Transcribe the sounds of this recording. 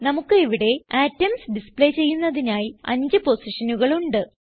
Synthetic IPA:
nɐmukːɨiʋiɽe̞aːtːɐmsɖispɭe̞ːt͡ɕe̞jːunːɐðinaːjiɐ̰ɲd͡ʑɨpo̞siʂɐnuɣɐɭuɳɖɨ

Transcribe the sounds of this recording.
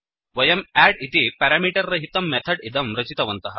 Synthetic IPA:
ʋɐjɐmæɽit̪ipɛɾamiːʈɐɾːɐɦit̪ɐmːɛt̪ʰɐɽid̪ɐmɾɐt͡ɕit̪ɐʋɐnt̪ɐɦɐ

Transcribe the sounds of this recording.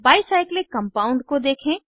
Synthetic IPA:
baːɪsaːɪklekɐ̃mpaːʊ̃ɳɖkod̪eːkʰẽː

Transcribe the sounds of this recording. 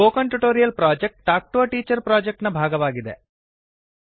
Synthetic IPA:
oːkɐɳʈuʈoːɾijɐlpɾaːd͡ʒek̚ʈ̚ʈaːk̚ʈoːɐʈiːt͡ʃɐɾpɾaːd͡ʒek̚ʈnɐbʱaːɡɐʋaːɡid̪ḛ

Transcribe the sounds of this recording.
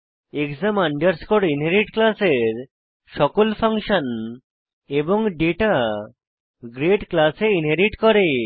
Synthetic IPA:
ekzamaɳɖeɾskoɽinɦeɾiʈklaseɾ | ʃɔkolpʰaŋʃɔn | eboŋɖeʈa | ɡɾeʈklaseinɦeɾiʈkɔɾe

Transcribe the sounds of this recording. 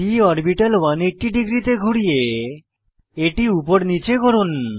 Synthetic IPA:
iɔɾbiʈalwaneʈːiɖiɡɾit̪eɡʱuɽije | eʈiupoɾnit͡ɕekoɾun

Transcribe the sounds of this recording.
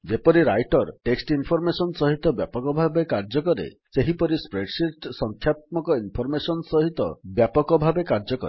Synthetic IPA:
d͡ʒepɔɾiɾa̰jʈɔɾʈeksʈinpʰɔɾmesɔnsɔɦit̪ɔbjapɔkɔbʱabekaɾd͡ʒɔkɔɾḛseɦipɔɾispɾeɖsiʈsɔŋkʰjat̪̚mɔkɔinpʰɔɾmesɔnsɔɦit̪ɔ̰bjapɔkɔbʱabekaɾd͡ʒɔkɔ̰ɾ

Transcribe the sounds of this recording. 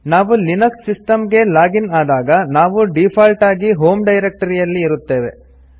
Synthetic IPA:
naːʋulinɐksːisʈɐmɡe̞laːɡinaːd̪aːɡɐnaːʋuɖipʰaːlʈaːɡiɦoːmɖɐjɾek̚ʈɐɾijɐlːiːɾut̪ːe̞ːʋe̞̰

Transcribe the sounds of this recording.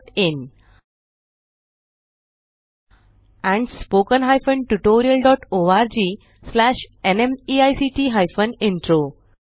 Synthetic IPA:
ɪ̃n | æ̃ɳɖspoːkə̃nɦaɪfə̃ɳʈuʈoːɾiəlɖɔːʈoːaɾd͡ʑiː | slæʃenẽmiaɪsiʈiːɦaɪfə̃nɪ̃ɳʈɾo

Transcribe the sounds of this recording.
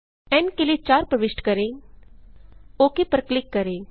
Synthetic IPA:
ɛnkɪlit͡ʃaːɾpɾəʋɪʃʈkəɾẽː | oːkepəɾklɪkːəɾeː

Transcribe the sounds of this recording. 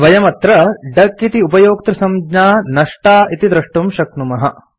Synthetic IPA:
ʋɐjɐmɐt̪ɾɐɖɐkːit̪iupɐjoːkt̪ɾɐsɐmd͡ʒɲaːnɐʂʈaːit̪id̪ɾɐʂʈumʃɐk̚numɐɦɐ

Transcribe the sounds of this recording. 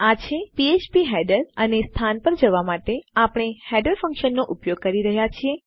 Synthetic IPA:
at͡ʃʰepiet͡ʃpiɦɛɖəɾənest̪ʰanpəɾd͡ʒəʋamaʈeapəɳ̃ehɛɖəɾfə̃ŋkʃənːoʔupjoɡ̚kəɾiɾəɦjat͡ʃʰie

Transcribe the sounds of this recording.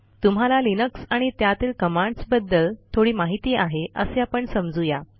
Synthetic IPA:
t̪umɦalalinəksaɽ̃it̪jat̪iːlkəmãɳɖsbəd̪ːəlt̪ʰoɽiːmaɦit̪iːaɦeʔəseapəɳsəmd͡zuja

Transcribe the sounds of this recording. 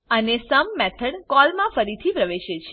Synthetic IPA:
ənesəmːɛt̪ʰəɳkɔlmãfəɾit̪ʰipɾəʋeʃet͡ʃʰe

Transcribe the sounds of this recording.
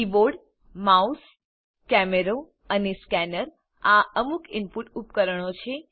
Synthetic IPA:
iʋoɽ | maus | kɛmeɾo | əneskɛnəɾ | aʔəmukʰɪmpuʈupkəɾəɳot͡ʃʰe

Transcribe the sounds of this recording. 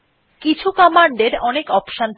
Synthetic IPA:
kit͡ɕʰukɔmaɳɖeɾɔnekɔpʃan

